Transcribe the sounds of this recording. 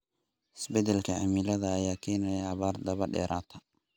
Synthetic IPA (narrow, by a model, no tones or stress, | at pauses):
hɪsbɛd̪ɛlkʰɐʕɐ̰mɪlɐðɐːjaːkʰɛːnɐjɐːβaːrd̪ɐβɐɖɛ̰ːɾaːt̪ʰɐ